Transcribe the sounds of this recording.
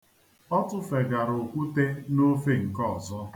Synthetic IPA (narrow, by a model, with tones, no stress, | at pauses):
ɔ˦tʊ˦fe˨ɡa˨ɾo˨kʷu˦te˦no˦fe˦˨ŋ̩˨kɔ˦˨zɔ˦